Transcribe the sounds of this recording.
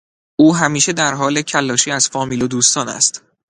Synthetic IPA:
ʔuːɦæmiːʃe̞d̪æɾɦɒːle̞cʰælːɒːʃiːæz̥fɒːmiːlod̪uːst̪ɒːnæ̰st̪

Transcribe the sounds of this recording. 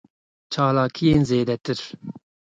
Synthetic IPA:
t͡ʃʰaːlaːkʰijeːnzeːd̪ɛt̪ɨɾ

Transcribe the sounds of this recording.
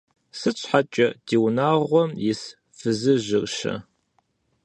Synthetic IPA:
sɨt͡ɕʰʷʼħat͡ʃʼɐdiːwnaːʁʷɔmjɪs | fɨzɨʑɪrʃɐ̰

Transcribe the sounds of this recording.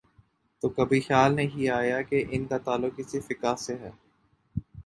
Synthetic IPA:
t̪oːkɐbʱixjaːlneɦiaːjakeʔɪnkat̪aːlːʊkisifɪkaːɦseɦɛː

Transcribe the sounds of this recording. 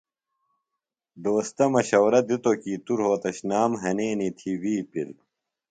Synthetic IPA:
d̪oːst̪ɐmɐɕɐwɾɐd̪it̪okiːt̪uɾɦoːt̪ɐɕnaːmɦɐneːnit̪ʰiwiːpil

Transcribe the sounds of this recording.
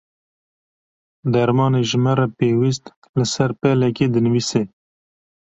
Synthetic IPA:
d̪aɾmɑːneʒmaɾapewist̪ | ləsaɾpeleked̪ənwise

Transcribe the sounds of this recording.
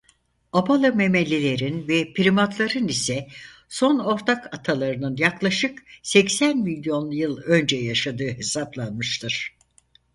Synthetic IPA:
abalˠɯme̞melʲːe̞lʲe̞ɾinvɛpʰiɾimat̪lˠaɾɯnisɛ | so̞no̞ɾt̪ʰakat̪ʰalˠaɾɯnɯnjaklˠaʃɯksɛcsænmilʲjo̞njɯlˠø̞nd͡ʒɛjaʃad̪ɯːɦe̞saplˠanmɯʃt̪ʰɯɾ̥

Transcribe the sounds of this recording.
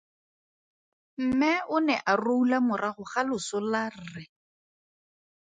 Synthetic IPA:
m̩mɛʊnɛʔaroulamʊraχʊχalʊsʊlar̩rɪ

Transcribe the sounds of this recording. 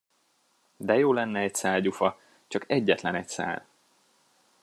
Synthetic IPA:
d̪ɛjoːlɛnːɛɛcsaːlɟufɒ | t͡ʃɒkɛɟːɛt̪lɛnɛcsa̰ːl

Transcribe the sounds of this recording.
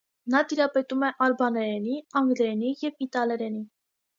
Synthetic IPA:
nɑt̪iɾɑpɛt̪umɛʔɑɾbɑnɛɾɛniɑŋɡlɛɾɛnijɛvit̪ɑlɛɾɛni

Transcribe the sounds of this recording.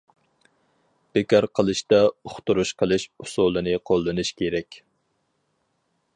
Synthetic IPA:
b̥ɪkʲɑɾqʰəlˠɨʃt̪ɑoχt̪uɾuʃqʰəlˠɨʃusulˠɨnɨqʰolˠːɨnɨʃkʲʰeɾɛkʲ

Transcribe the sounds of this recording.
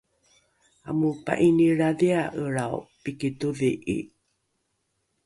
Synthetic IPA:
amupa̰ʔiniɾaðiaʔəɾawpikituviʔḭ

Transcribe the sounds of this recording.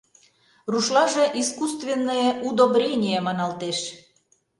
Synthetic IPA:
ruʃlɑʒĕʔiskust̪vʲenːəjeʔud̪obɾʲenʲijemɑnɑlt̪eʃ

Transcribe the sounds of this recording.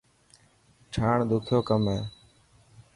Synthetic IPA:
t͡ʃʰaːɳd̪ʊkʰjoːkəmɦeː

